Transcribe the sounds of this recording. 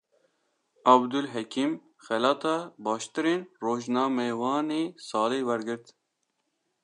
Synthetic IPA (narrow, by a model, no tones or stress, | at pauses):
ɑbd̪ʊlɦɛkʰim | xɛlɑːt̪ʰɑːbɑːʃt̪ɨɾeːnroːʒnɑːmɛwɑːneːsɑːleːwɛɾɡɨɾt̪